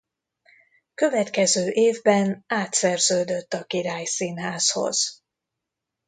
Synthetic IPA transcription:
kø̞vɛt̪kɛzøːʔeːvbɛnaːt̪sɛrzøːd̪ø̞t̪ːɒkiɾaːjsiːnɦaːsho̞̰z̥

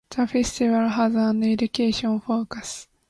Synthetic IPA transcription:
taɸesɨ̥t̪ʲiβaɾɯɦazaːnːoeɾikʲeːɕõñɸo̞ːkasɨ̥

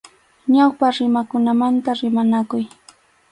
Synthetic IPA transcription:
ɲawpaɾɪmakʊnamant̪aɾɪmanakʊj

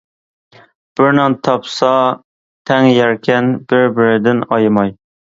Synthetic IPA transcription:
b̥ɪɾnɑŋt̪ʰɑpsɑ | t̪ʰɛŋjæɾkʲʰɛnbɪɾbɪɾɪd̪ɪnɑjmɑj

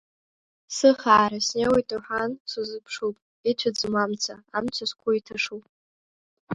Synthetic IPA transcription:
sɨχaːɾasnewejtʼuħʷansuzɨpʰʂupʼ | it͡ɕʷʰad͡zmamt͡sʰaamt͡sʷʰaskʷʰuitʰaʂupʼ

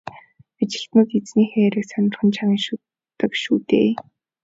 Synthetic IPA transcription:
at͡ɕɪ̆ɬt̪nʊːk̪et͡sniːxeːɾɘ̆ksœnʲɪ̆rχə̆nt͡ɕʰaʁiŋʃu | t̪ːə̆kʃuːt̪ḛː

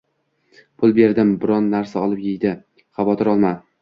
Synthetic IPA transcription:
pʰʊlˠbe̞ɾd̪ɪmbɪɾɒnːaɾsaɒlˠɪpjejd̪ɪ | χavɒt̪ʰɪɾɒlˠma

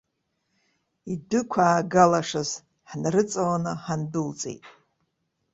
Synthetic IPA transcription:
idɨkʷʰaːɡalaʂɨz | ħnrɨt͡sʼawanɨħandɨlt͡sʼḛjtʼ

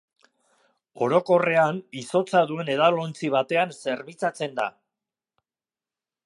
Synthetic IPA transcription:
o̞ɾo̞ko̞re̞aniso̞t͡saðue̞ne̞ðalo̞nt͡siβ̞at̪e̞anse̞ɾβit͡sat͡se̞nd̪a̰

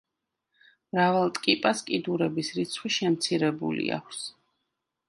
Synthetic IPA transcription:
mɾavalˠt̪ʼkʼipʼaskʼid̪uɾɛbisɾit̪sʰχwiʃɛmt̪sʰiɾɛbṵlḭa̰kʰs

